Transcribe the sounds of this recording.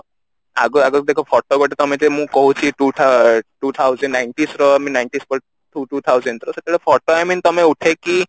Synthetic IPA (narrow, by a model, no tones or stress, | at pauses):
a̰ɡɔaɡɔd̪ekʰɔfʰɔʈoɡʱɔʈet̪ɔmẽt̪emũːkɔɦut͡ɕʰiʈuːt̪ʰaʈuːt̪ʰawd͡zɛnnajnʈisɾɔaminajnʈispɔɾ | ʈuʈuːt̪ʰawzəɳɖɾɔsəkeɭefʰɔɾʈoamiːnt̪ɔmeuʈʰeki